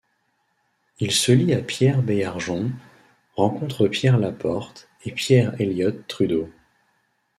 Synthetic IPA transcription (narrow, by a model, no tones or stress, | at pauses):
ilsəliapjɛʁbejaʁʒɔ̃ | ʁɑ̃kɔ̃t̪χəpjɛʁlapɔʁt̪ | epjɛʁeljɔt̪ːχyd̪o